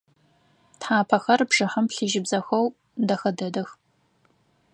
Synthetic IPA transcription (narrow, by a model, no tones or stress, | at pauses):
tħaːpʰɐxɐrbʐɐħɐmpɬiʒɪbzɐxɐw | dɐxɐdɐdɐx